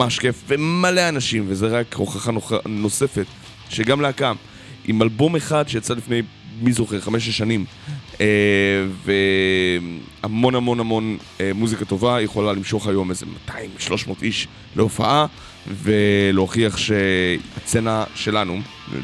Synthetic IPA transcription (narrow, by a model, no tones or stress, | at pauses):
aʃke̞fvemaleanaʃimvezeʁakʁoχaχanono̞se̞fet̪ | ʃeɡamleakam | ʔimalbo̞meχad̪ʃejat͡salifne̞j | mizoχeʁχameʃ̬leʃanim | eve | amo̞nhamo̞nhamo̞n | emuzikat̪o̞vajeχo̞lalimʃo̞χhajo̞mezemat̪ʰaimʃlo̞ʃmo̞ːt̪iʃ | leofa̰ʔa | ve̞loχiaχʃeat͡senaʃe̞lanṵ